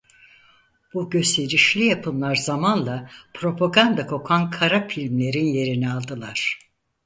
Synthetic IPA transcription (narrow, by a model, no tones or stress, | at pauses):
b̥uɟø̞st̪ʰe̞ɾiʃlʲijapʰɯnlˠaɾzamanlˠapʰɾo̞pʰaɡand̪akʰo̞kʰankʰaɾafilʲmlʲe̞ɾinje̞ɾinɛalˠd̪ɯlˠaɾ̥